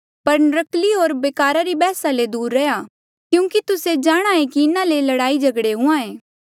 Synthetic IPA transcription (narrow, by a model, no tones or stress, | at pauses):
pɐɾnɾəkliɦoːɾbeːkaːɾaɾibɛːsaled̪uːɾːɐjaː | kjũːkit̪ʊsed͡ʒaːɽ̃aẽkiɪnãlelɐɽaːid͡ʒɐɡɽeɦʊ̃ãẽː